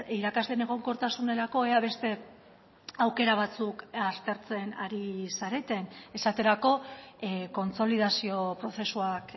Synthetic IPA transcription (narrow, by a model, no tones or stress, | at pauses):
iɾakazle̞ne̞ɣ̞o̞ŋko̞ɾt̪asune̞ɾako̞eaβe̞st̪e̞ | awke̞ɾaβ̞at͡sukaɾt̪e̞ɾt͡se̞naɾisaɾe̞t̪e̞ne̞sat̪e̞ɾako̞ | ko̞nt͡so̞lið̞asio̞pɾo̞θe̞suak